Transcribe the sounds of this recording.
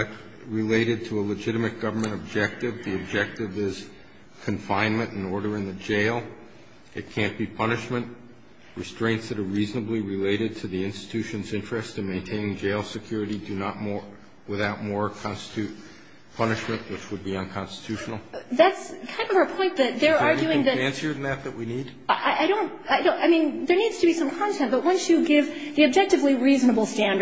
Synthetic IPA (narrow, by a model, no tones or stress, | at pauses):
ɨ | ɹɨleɪɾɨd̚tʰəələd͡ʒɪɾɨmɨt̚ɡ̥ʌvə˞mɨ̃ɾ̃ɨb̚d͡ʒɛk̚tɨvðiɨb̚d͡ʒɛk̚tɨvɪz̥ | kʰɨ̃ɱfãɪ̃nmɨ̃ñɨ̃nɔɹɾə˞ɨ̃nðɨd͡ʒeɪlˠ | ɨt̚kʰæ̃nb̥ipʰʌnɨʃmɨ̃nʔ | ɹɨstɹ̥ẽɪ̃ntsðɨɾə˞ɹiznəbliɹɨleɪɾɨd̚tʰɨðiɪ̃nstɨ̥tʰʉʃɨ̃nzɪ̃nt͡ʃɹ̥ɨstɨ̃nmẽɪ̃ntʰẽɪ̃nɪ̃ŋd͡ʒeɪlˠsɨkʰj̥ʊɹɨɾidɨnət̚mɔ | wɨθaʊt̚mɔɹkʰɑ̃nstə̥tʰʉ | pʰʌnɨʃmɨ̃nʔwət͡ʃwəd̚biə̃nkʰɑ̃nstə̥tʰʉʃn̩l̩ˠðætskʰãɪ̃ndʌvəpʰɔ̃ɪ̃nðɨt̪̚ðə˞ɑɹɡjʉɪ̃ŋðɨæ̃nsiə˞ðn̩ðɨt̪̚ðɨʔwinid̥ | ʔaɪʔaɪɾõʊ̃ntaɪõʊ̃ʔaɪmĩnðə˞nidz̥tʰɨbisʌ̃mkʰɑ̃ntʰɛ̃n̚b̥ʌt̚wʌ̃nsjɨɡɪvðiɨb̚d͡ʒɛk̚tɨvliɹiznəbl̩ˠstæ̃ndə